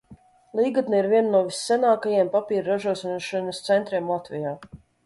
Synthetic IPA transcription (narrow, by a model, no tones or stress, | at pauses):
lˠiːɡat̪niiɾvʲiɛnnuɔvisːɛnaːkajiɛmpapʲiːɾɾaʒuɔʃʃanɐst̪sɛnt̪ɾiɛmlˠat̪vʲɛjaː